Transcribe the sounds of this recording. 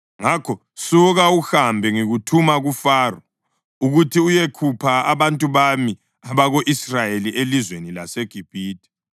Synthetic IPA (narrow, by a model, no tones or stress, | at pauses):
ŋakʰɔ | suɣauxambʱɛŋiɣutʰumaɣufaːrɔ | uɣutʰiujekʰupʰaaβantʼuβami | aβaɣoʔisrajeliʔelizwenila̰seɡ̥ʱib̥ʱiːd̥ʱʼi̥